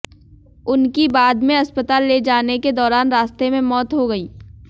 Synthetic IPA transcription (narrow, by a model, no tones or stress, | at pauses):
ʊnkibaːd̪mẽɐspət̪aːlːed͡ʒaːneked̪ɔːɾaːnɾaːst̪emẽmɔːt̪ɦoɡɐiː